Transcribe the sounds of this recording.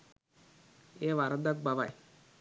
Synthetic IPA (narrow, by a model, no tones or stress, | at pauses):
eːʋaɾəd̪ak̚baʋaj